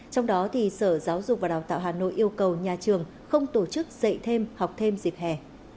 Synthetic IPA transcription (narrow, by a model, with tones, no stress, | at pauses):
t͡ɕɔ˧wŋ͡mɗɔ˨˦t̪ʰi˨˩səː˧˩zaː˨˦wzʊ˨˩k͡p̚vaː˨˩ɗaː˨˩wt̪a̰ː˧˨ɦaː˨˩no̰˧˨jʔi˧əwkə˨˩wɲaː˨˩t͡ɕɨ˨˩əŋ | xə˧wŋ͡mt̪o˧˩t͡ɕɨ˦˥k̚z̥ə̰˧˨jt̪ʰe˧mha˨˩wk͡p̚t̪ʰe˧mzi˨˩p̚hɛ˨˩